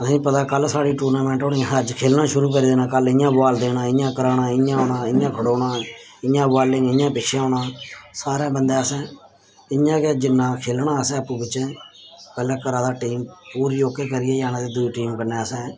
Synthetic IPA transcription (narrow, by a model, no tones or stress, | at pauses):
əsĩːpət̪aːkəlsaːɽiːʈuːɾnaːmɛ̃ːɳʈoːnĩːɦəd͡ʒkʰeːlnãːʃʊɾuːk̬əɾiːd̪eːnaːkəlɪjãːbaːld̪eːnãːɪãːkəɾaːnaːɪjãːɦoːnãːɪãːkʰəɽoːɽãː | ɪjãːbaːlɪ̃ŋɡɪãːpɪt͡ʃʰãːɦoːɳãːsaːɾẽːbənd̪eːəsɛ̃ː | ɪɲãːked͡ʒɪnːãːkʰeːlnaːəsɛ̃ːəpːũːbɪt͡ʃɛ̃ːpɛːlɛːkəɾãːd̪aːʈiːmpuːɾijoːkeːkəɾɪeːjaːnãːd̪eːd̪ʊiːʈiːmkəɾneːəsɛ̃ː